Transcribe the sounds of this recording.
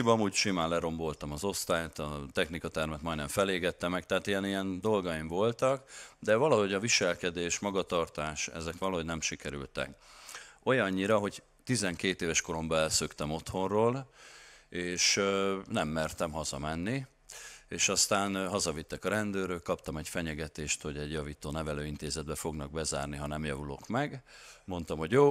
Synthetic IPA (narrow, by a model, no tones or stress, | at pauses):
ibɒmuːɟʃimaːnlɛɾo̞mbo̞lt̪ɒmɒzo̞st̪aːjt̪ɒt̪ɛxnikɒt̪ɛrmɛt̪mɒj̪nɛɱfɛleːɡɛt̪ːɛmɛkt̪ɛɦaːt̪ijɛnijɛnd̪o̞lɡɒjiɱvo̞lt̪ɒkd̪ɛvɒlɒɦo̞ɟɒviʃɛlkɛd̪eːʃmɒɡɒt̪ɒrt̪aːʃɛ̰zɛkʋɒlɒɦonɛmʃikɛɾy̰lt̪ɛ̰k | o̞jɒɲːiɾɒɦo̞ɟ | t̪izɛŋkeːt̪eːvɛʃko̞ɾo̞mbɛlsøkt̪ɛmo̞t̪ho̞rroːl | eːʃnɛmːɛrt̪ɛmɦɒzɒ̰mɛnːi | eːʃɒst̪aːnɦɒzɒvit̪ːɛkɒɾɛnd̪øːɾøkkːɒp̚t̪ɒmɛɟfɛɲɛɡɛt̪eːʃt̪ho̞ɟɛɟjɒviːt̪oːnɛvɛløːint̪eːzɛd̪̚bɛfo̞ɡnɒɡ̚bɛza̰ːrniɦɒnɛmjɒvulo̞̰kmɛɡmo̞nt̪ɒmho̞ɟjoː